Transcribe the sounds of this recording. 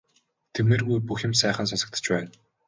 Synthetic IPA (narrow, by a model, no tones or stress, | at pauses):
t̪ʰeɾmeːrɣujpuxʲɪ̆msæːχə̆ns̬asə̆k̚t̪ʰə̥̆t͡ɕpæːn